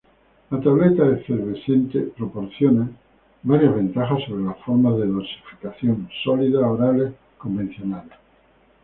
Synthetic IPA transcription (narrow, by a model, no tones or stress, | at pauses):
lat̪aβlet̪aefeɾβeθent̪epɾopo̞ɾθjona | baɾjazβ̞ẽ̞nt̪axasːo̞β̞ɾelafoɾmaðeðolsi̥fi̥kaθjonsoliðaoɾale | ko̞mbẽ̞n̟θjo̞nale